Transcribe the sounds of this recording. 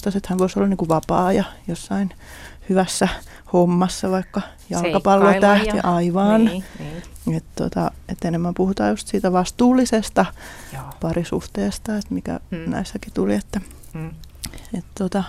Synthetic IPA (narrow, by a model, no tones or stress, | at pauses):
t̪ɑset̪hænʋoisolːɑniŋkuʋɑpɑːjɑjosːɑin | hyʋæsːæ | homːɑsːɑʋɑikːɑ | jɑlkɑpɑlːot̪æht̪iʔɑiʋɑːn | et̪t̪o̰t̪ɑ̰et̪ːenemːæmpuhut̪ɑːjust̪siːt̪æʋɑst̪uːlːisest̪ɑ | pɑrisuht̪eːst̪ɑet̪mikæ̰næ̰isːækit̪uliet̪ːæ | et̪t̪ot̪ɑ